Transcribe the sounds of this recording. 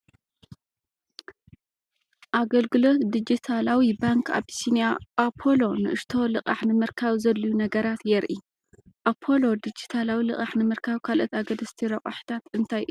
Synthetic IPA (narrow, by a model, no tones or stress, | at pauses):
ʔaɡɐlɡɨlo̞t̪d̪ɨd͡ʒit̪ʰalawibaŋkʰa̰bsinijaʔapʰo̞lo̞nɨʔɨʃt̪ʰo̞lɨqʼaħnɨmɨɾkʰaβzɐlːijunɐɡɐɾat̪jɛɾʔi | ʔapʰːo̞lo̞d̪ɨd͡ʒit̪ʰalawilɨχʼaħnɨmɨɾkʰaβkʰalʔot̪aɡɐd̪ɐst̪ʰiɾɐχʼa̰ħt̪ʰat̪ɨnt̪ʰajʔɨ